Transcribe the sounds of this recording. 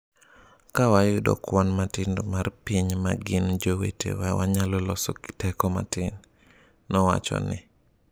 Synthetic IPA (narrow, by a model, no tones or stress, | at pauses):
kawajʊdɔ̰kwanmatɪndomarpiɲmaɡɪnd͡ʒowḛtḛwɛwaɲalɔlɔsɔtɛkɔma̰tɪnː | ɔwa̰t͡ʃɔ̰nɪ̰